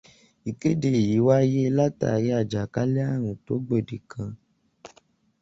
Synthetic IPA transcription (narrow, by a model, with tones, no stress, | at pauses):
i˨ke˦de˨ji˨˦wa˦je˦˧˦la˦ta̰˦˨je˨˦a˦˨d͡ʒa˨ka˦lɛ˦a˦˨ɾ̃ũ˨to˨˦ɡ͡be˦˨de˨kʰã˧